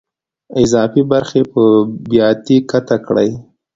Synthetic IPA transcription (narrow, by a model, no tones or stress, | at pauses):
ɪzɑfibaɾxepəbjɑt̪ikat̪akɽə̰j